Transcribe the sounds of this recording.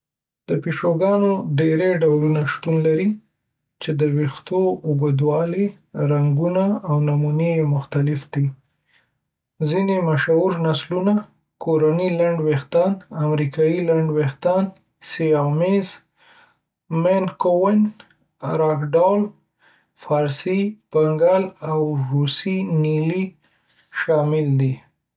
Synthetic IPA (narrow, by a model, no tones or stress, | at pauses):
d̪̥əpiʃoɡɑnoɖeɾeɖawlunaʃt̪unlaɾi | t͡ʃed̪əwixt̪oʊɡəd̪wɑle | ɾaŋɡunaawnamunejmʊxt̪alɪfd̪i | zinemaʃauɾnasluna | koɾanilaɳɖwext̪ɑnamɾikɑjilaɳɖwext̪ɑn | seamez | menkowɪn | ɾɑkɖɑl | fɑɾsib̥aŋɡalawɾusinili | ʃɑmɪld̪i